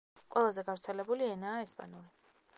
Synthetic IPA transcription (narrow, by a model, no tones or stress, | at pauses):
qʼwɛlˠazɛɡavɾt̪sʰɛlɛbuliɛnaːɛspʼa̰nuli